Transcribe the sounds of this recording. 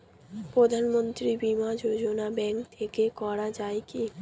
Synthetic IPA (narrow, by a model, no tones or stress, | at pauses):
pɾod̪ʱanmont̪ɾibimad͡ʑod͡ʑonabɛŋkt̪ʰekekɔɾad͡ʑaeki